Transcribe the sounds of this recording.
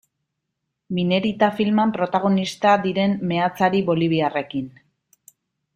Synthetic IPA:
mine̞ɾit̪afilmampɾo̞t̪aɣ̞o̞nist̪ad̪iɾe̞mːe̞at͡saɾiβo̞liβ̞iare̞kin

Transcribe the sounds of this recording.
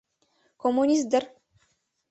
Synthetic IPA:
komːunʲisd̪ɘr

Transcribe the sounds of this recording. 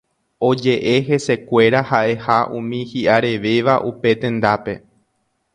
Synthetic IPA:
o̞d͡ʒe̞ʔe̞ɦe̞se̞kʷe̞ɾahaʔe̞haʔũmĩhiʔaɾe̞ʋe̞ʋaʔupe̞t̪ẽ̞nd̪ape̞

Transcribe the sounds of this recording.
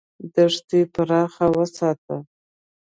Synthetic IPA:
d̪əʐd̪ijpʰaɾɑːχawəsɑːt̪ʰə

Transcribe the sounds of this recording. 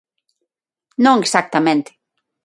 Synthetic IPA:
nõŋesak̚t̪amẽnt̪e̥

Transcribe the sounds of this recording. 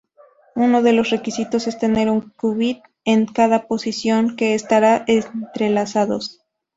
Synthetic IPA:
uno̞ðe̞lo̞sre̞kisit̪o̞se̞st̪e̞ne̞ɾuŋkuβið̚ | eŋkaðapo̞sisjo̞ŋke̞ːst̪aɾaʔennt̪ɾe̞lasaðo̞̰s

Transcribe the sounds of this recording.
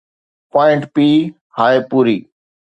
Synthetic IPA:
paːɪ̃ɳʈpiː | haːepuːɾiː

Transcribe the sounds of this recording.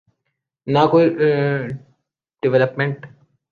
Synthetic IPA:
nakoːi | ɖɪʋɛləpmẽɳʈ

